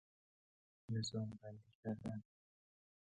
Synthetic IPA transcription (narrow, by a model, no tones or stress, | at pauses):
nezɒːmbænd̪icʰʲæɾd̪æn